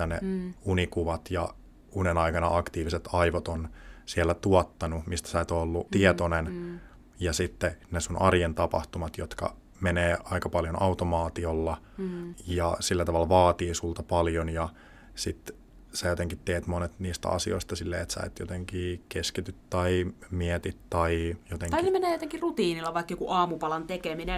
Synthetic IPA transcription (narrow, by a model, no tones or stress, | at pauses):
ænḛunikuʋɑt̪jɑ̰ | unenɑikɑnɑ̰ʔɑkt̪iːʋiset̪ɑiʋot̪onsielːæt̪uot̪ːɑnumist̪æ̥sæet̪olːut̪iɛt̪onen | jɑsit̪ːenesunʔɑrjent̪ɑpɑ̰ht̪umɑt̪jot̪kɑ̰ | meneːɑikɑpɑljonʔɑut̪omɑːt̪iolːɑ | jɑsilːæt̪ɑʋɑlʋɑːt̪iːsult̪ɑpɑljonjɑ | sit̪ | sæjot̪eŋkit̪t̪ːeːt̪monet̪niːst̪æ̰ɑ̰sḭo̰ist̪ɑsilːḛːet̪sæ̰et̪jo̰t̪eŋkiːkeskit̪yt̪t̪ɑimiɛt̪it̪tɑijot̪ẽŋisemeneːjot̪eŋkirut̪iːnilːɑʋɑikːejkuʔɑːmupɑlɑnt̪ekemine